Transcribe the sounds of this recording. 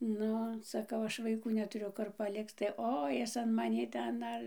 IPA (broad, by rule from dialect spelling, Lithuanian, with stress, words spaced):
ˈnʊ sɐˈkɐʊ ˈɐʃ ʋɐɪˈkuː nʲɛtʊˈrʲʊ ˈkʊr pɐˈlʲɪkt͡s tɐɪ ˈoː ˈjɪs ɐn mɐˈnʲiː ˈtʲɛn ˈdɐr